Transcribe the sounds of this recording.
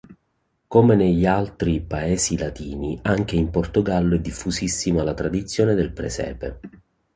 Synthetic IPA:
komeneʎːialt̪ɾipaeːsilat̪iːniaŋk̟eimport̪oɡalːoɛd̪ːifːusisːimalat̪ɾad̪it̪sːjoːned̪elpɾḛsɛ̰ːpḛ

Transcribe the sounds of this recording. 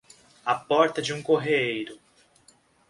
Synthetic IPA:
ɐpɔɾt̪ɐd͡ʒɪũkoɦeejɾʊ

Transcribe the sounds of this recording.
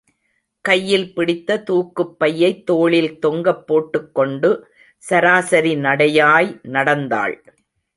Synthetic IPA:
kɐjːɪlpɪɽɪt̪ːɐt̪uːkːɯpːɐjːɐɪt̪ːoːɭɪlt̪ɔŋɡɐpːoːʈːɯkːɔɳɖɯ | sɐɾaːsɐɾinɐɽɐjaːjnɐɽɐnd̪a̰ːɭ

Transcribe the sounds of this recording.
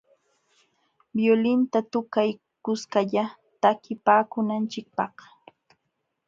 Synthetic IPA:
bjolɪnt̪at̪ʊkaj | kʊskaʎa | t̪akɪpaːkʊnant͡ʃɪk̚pɑχ

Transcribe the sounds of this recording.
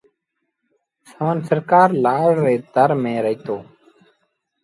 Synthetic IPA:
səʋənsəɾkaːɾlaːɽɾeːd̪əɾmẽːɾəɦiːt̪oː

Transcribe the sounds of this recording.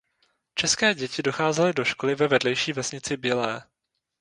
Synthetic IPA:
t͡ʃɛskɛːɟɛcɪdo̞xaːzɛlɪdo̞ʃko̞lɪvɛvɛdlɛjʃiːvɛsɲɪt͡sɪbɪlɛː

